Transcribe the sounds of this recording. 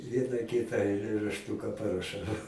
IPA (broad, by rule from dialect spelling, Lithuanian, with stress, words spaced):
ˈʋʲiɛnɑː ˈkʲɪtɑː ɐɪlʲeːrɐʃˈtuːkɐ pɐrɐˈʃɐʊ